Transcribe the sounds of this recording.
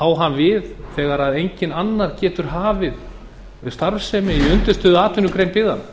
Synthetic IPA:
awɦanvɪðθɛːɣaɾaðejɲcɪnanːaɾ̥cɛːt̪ʏɾ̥ɦaːvɪð | st̪aɾfsɛːmɪiʏnt̪ʏ̥st̪œːðʏaːt̪ɪnːʏkɾeːjmpɪðhan

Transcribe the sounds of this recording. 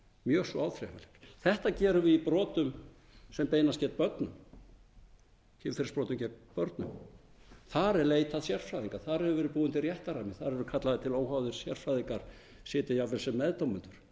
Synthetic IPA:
mjœːsɔawθɾɛ̰ha̰lɛkθɛht̪acɛːɾʏvɪipɾɔːt̪ʏm | sɛmpeːjnascɛːt̪̚pœɾt̪nʏm | cɪmfɪɾspɾɔːt̪ʏmcɛːt̪̚pœɾt̪nʏ̰m | θaɾɛɾleːjt̪aðsjɛr̥fɾajðiŋkḁθaɾhɛvʏvɛːɾɪpuːðʏnt̪ɪrjɛht̪aɾamɪθaɾɛɾʏkʰat̪laðɪt̪ʰɪloːwɦawðʏɾ̥sjɛr̥fɾajðiŋkaɾ̥ | sɪːt̪ɪjavɛsɛmːɛðt̪owmʏnt̪ʏɾ̥

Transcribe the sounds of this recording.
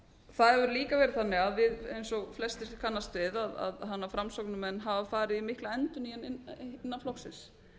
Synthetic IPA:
θaðɛvʏɾliːkavɛːɾɪðθanːɪɣaðvɪðḛjnsɔɣflɛst̪ɪkʰanːast̪vɪðaða̰ðɦanːafɾamsɔknʏmɛnːɦavafaːɾɪðimɪhklaɛnt̪ʏnianɪɪnːanflɔxsɪ̰ns

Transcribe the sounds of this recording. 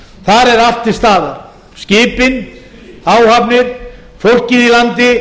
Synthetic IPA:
θaɾɛɾaft̪ɪ̥st̪aːðaɾ | scɪːpɪn | aːwhapnɪɾ | fowl̥ciðilant̪ɪ

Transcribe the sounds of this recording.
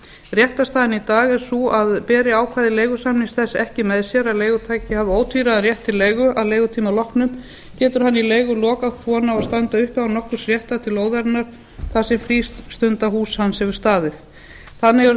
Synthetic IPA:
rjɛht̪ast̪aːðɪnit̪aːɣɛɾ̥suaðpɛːɾɪaːwkʰvaːðɪleːjɣʏsamnɪŋsθɛsːɛhcɪmɛðsjɛɾaðleːjɣʏt̪ʰaːjcɪhaːvʏoːwt̪ʰiːɾaðarjɛht̪ʰːɪlːeːjɣʏaðleːjɣʏt̪ʰiːmalɔhknʏm | cɛːt̪ʏɾ̥ɦanːileːjɣʏlɔːkawt̪ʰvɔːnaɔst̪ant̪aʏhpawnɔhkʏ̥sɾ̥jɛht̪at̪ʰɪloːwðaɾt̪naɾ̥ | θasɛmfɾiːst̪st̪ʏnt̪aɦuːshanːshɛvʏɾ̥st̪aːðɪθ | θanːɪ

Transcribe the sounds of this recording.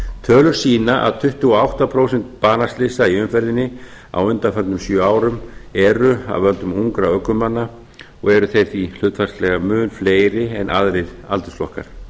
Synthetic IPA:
t̪ʰœːlʏɾ̥siːnaʔa̰ðt̪ʰʏht̪ʏɔawht̪apʰɾoːwsɛnt̪̚paːnast̪lɪsaiʏnfɛɾðɪnːɪ | a̰wʏnt̪afɛnt̪nʏmsjœːaːwɾʏmɛɾʏa̰vœlt̪ʏmuŋkɾaœkːʏmːanːa | ɔ̰ɣɛɾʏθerθil̥ʏːt̪farst̪lɛɣamʏːnfleːjɾɪɛnʔaðɾɪða̰lt̪ʏsflɔhka̰ɾ̥

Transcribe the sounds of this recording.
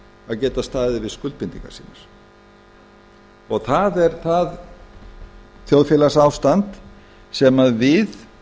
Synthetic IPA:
aðcɛːt̪ast̪aːðɪvɪðskʏlt̪̚pɪnt̪ĩŋka̰siːnaɾ̥ | ɔɣθaðɛɾ̥θað | θjowðfjɛːlasaːwst̪ant̪ | sɛmaðvɪð

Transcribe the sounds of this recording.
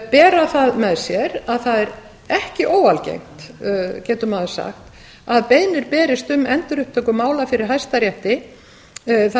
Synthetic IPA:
pɛːɾaθaðmɛðsjɛɾaðθaðɛɾ | ɛhcɪʔoːwalcḛjm̥t̪cɛːt̪ʏmaðsa̰xt̪ | aðpejnɪɾpɛːɾɪst̪ʏmɛnt̪ʏɾʏhp̚t̪ʰœkʏmaːwlafɪɾɪɾ̥ɦajst̪aɾjɛht̪ɪ | θa

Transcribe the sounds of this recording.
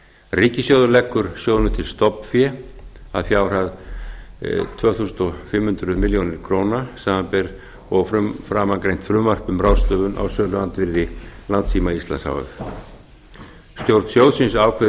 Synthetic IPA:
riːcɪsjowðʏɾlɛkːʏɾ̥sjœːɣnʏt̪ʰɪlst̪ɔpnfjɛ | a̰ðfjaːwr̥að | t̪ʰvœːθusnt̪ɔfɪmːhʏnt̪ɾʏðmɪljownɪɾ̥kʰɾoːwnasaːmapɛɾ | ɔɣfɾʏmfɾaːmakɾejn̥t̪fɾʏmvar̥pʏmɾaːwst̪œːðʏnʔa̰wsœːlʏant̪vɪɾðɪlant̪siːmaist̪la̰nsa̰ːwʏ̰ɾ | st̪jowɾt̪nsjowðsɪnsaːwkʰvɛ

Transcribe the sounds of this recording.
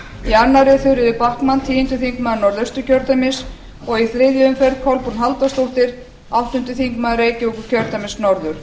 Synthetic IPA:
ianːaɾɪθʏɾɪðʏpahk̪mant̪ʰiːjʏnt̪ʏθiŋkmaðnɔɾðœst̪ʏcʰœɾt̪amɪs | ɔɣiθɾɪðjʏʏmfɛɾðkʰɔlpuɾnɦalt̪ast̪owht̪ɪɾ̥ | awht̪ʏnt̪ʏθiŋkmaðɾeːjcɪukʏ̥cʰœɾt̪amɪnsnɔɾðʏɾ̥

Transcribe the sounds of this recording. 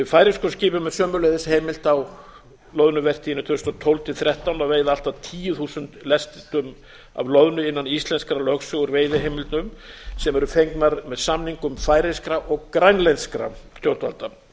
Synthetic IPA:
ɪfaːjɾɪskɔsciːpʏmːɛðsœːmʏɾlejðɪsheːjmɪl̥t̪aw | lœðnʏvɛr̥t̪ijɪnʏt̪ʰʏst̪ɔt̪ʰowlt̪ʰɪθɾʲjɛht̪awnaveːjðaal̥t̪aðt̪ʰiːjʏθusʏnt̪lɛst̪ɪt̪ʏm | a̰vlœðnʏɪnːanist̪lɛnskɾalœxsʏɣʏɾveːjðɪɦejmɪlt̪nʏmsɛmɛɾʏfejŋknaɾmɛðsamniŋkʏmfaːjɾeskɾaʔɔɣkɾajnlɛjnskɾa̰ | t̪ʰjowt̪alt̪a

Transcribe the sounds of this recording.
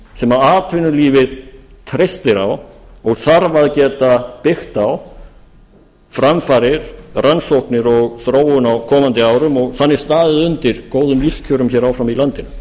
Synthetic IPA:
sɛmaðaːt̪ʰvɪnʏliːvɪð̥t̪ʰɾejst̪ɪɾawɔɣθaɾvaðcɛːt̪apɪxt̪aw | fɾamfaɾɪɾ̥ransowhknɪɾɔɣθɾoːwʏnawkʰɔːmant̪ɪaːwɾʏmɔɣθanːɪɾ̥st̪aːðɪðʏnt̪ɪɾ̥koːwðʏmliscʰœːɾʏmçɛɾawfɾamilant̪ɪn

